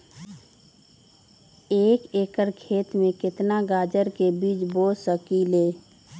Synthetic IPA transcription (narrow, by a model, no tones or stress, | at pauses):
eːkeːkəɾkʰeːt̪mẽkɪt̪naɡaːd͡ʒəɾkebiːt͡ʃboːsəkiːleː